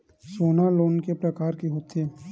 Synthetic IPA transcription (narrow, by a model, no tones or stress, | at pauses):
soːnaloːnkepɾɐkaːɾkiɦoːt̪eː